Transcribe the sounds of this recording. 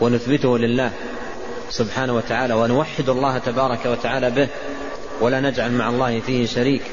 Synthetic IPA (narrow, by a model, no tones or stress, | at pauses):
wanʊθbɪt̪ʊhlɪlːaːh | sʊbħaːnawat̪aʕaːlawanʊwaħːɪd̪ɑlˤːɑːhat̪abɑːɾˤɑkawat̪aʕaːlabɪh | walanad͡ʒʕalmaʕɑlˤːɑːhɪfiːhɪʃaɾiːk